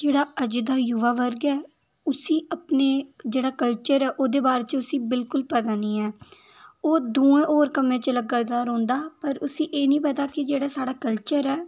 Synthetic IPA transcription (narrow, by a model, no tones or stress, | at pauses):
d͡ʒeːɽaːəd͡ʒd̪aːjʊʋaːʋəɾɡɛː | ʊsĩːʔapneːd͡ʒeːɽaːkəlt͡ʃəɾɛːʔoːd̪eːbaːɾeːt͡ʃʊsĩːbɪlkʊlpɛːd̪aːniːɛː | oːd̪uːẽːʔoːɾkəmẽːt͡ʃələɡad̪aːɾõːnd̪aːpəɾʊsĩːʔeːnĩːpɛːt̪aːkɪd͡ʒeːɽaːsaːɽaːkəlt͡ʃəɾɛː